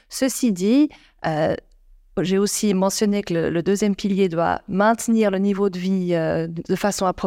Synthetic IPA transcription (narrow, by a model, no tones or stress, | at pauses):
səsid̪i | ø | ʒeosimɑ̃sjɔnekələ̰ləd̪øzjɛmpiljed̪wa̰mɛ̃t̪niʁlənivod̪əviød̪əfasɔ̃apχɔ